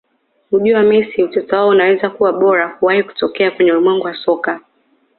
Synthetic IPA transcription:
huʄuamɛsiutɔtɔwaɔunawɛzakuwaɓɔɾahuwahiku̥tɔkɛakwɛɲɛulimwɛŋɡuwasɔka

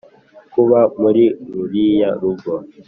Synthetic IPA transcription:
kuβamuɾiɾuɾijaɾuɡɔ

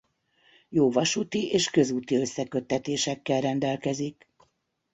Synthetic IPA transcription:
joːvɒʃuːt̪iʔeːʃkø̞zuːt̪iø̞sːɛkø̞t̪ːɛt̪eːʃɛkːɛlrɛnd̪ɛlkɛzik

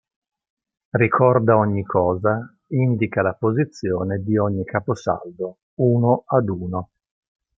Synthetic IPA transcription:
rikʰɔrd̪aɔɲːikʰɔːza | ind̪ikalapozit̪sːjoːned̪iɔɲːikaposa̰ld̪o | uːnoʔad̪uːno

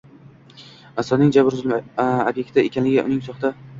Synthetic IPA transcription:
asɒnɪŋd͡ʒabɪɾʊzlmabje̞k̚ʲt̪ɪekʲanlɪɡʲɪʔʊ̰nɪŋsɒχd̪a

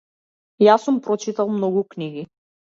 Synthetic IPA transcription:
jasumpɾɔt͡ʃit̪alˠmnɔɡukniɡi

